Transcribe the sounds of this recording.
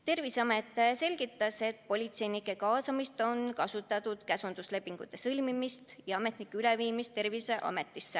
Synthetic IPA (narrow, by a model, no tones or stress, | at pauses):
t̪e̞rviseɑme̞t̪ːˑse̞lʲɡ̥it̪ːˑɑse̞t̪̚ːˑpo̞lʲit̪se̞jnikːˑe̞kɑːsɑmist̪o̞nkɑsut̪ːˑɑt̪ˑud̪̥kæsund̪usle̞pːiŋɡ̥ut̪ːˑe̞sɤlʲmimist̪jɑɑme̞t̪nikːˑeyleviːmist̪e̞rvise̞ʔɑ̰me̞t̪ːˑisːe